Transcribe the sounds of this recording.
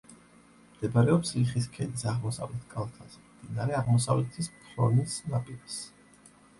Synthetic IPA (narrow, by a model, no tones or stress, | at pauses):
md̪̥ɛbɾɛɔpsliχis̬kʰɛd̪isaʁmɔsa̰vlɛt̪ʰkʼalˠkʰasmd̪̥inaɾɛaʁmɔsa̰vlɛt̪ʰispʰɾɔ̰nisnapʼiɾis